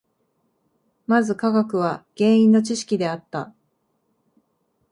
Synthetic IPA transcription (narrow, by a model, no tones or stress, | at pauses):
mazɨkaɡakɯ̟β̞aɡ̥ẽ̞ːɰ̃ĩnːo̞t͡ɕiɕi̥kʲid̪e̞at̪ːa